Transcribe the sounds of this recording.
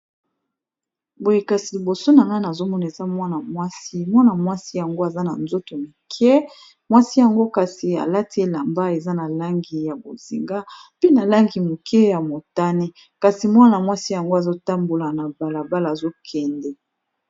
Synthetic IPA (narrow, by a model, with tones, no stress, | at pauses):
bo˨je˨ka˨si˨li˨bo˨so˦na˨ŋɡa˦na˨zo˦mɔ˦na˨e˨za˦mwa˦na˨mwa˦si˦mwa˦na˨mwa˦si˦ja˨ŋɡo˦a˨za˦na˨nzo˦to˨mi˨kʰɛ˦ | mwa˦si˦ja˨ŋɡo˦ka˨si˨a̰˨la˦ti˨˦e˦la˨mba˦e˨za˦na˨la˦ŋɡi˨ja˨bo̰˨z̥ḭ˨ŋɡa˦pi˦na˨la˦ŋɡi˨mo˨kʰɛ˦ja˨mo˨ta˦ni˦ | ka˨si˨mwa˦na˨mwa˦si˦ja˨ŋɡo˦a˨zo˦ta˦mbo˨la˨na˨ba˨la˨ba˦laː˨zo˦kʰɛ˨ndɛ˨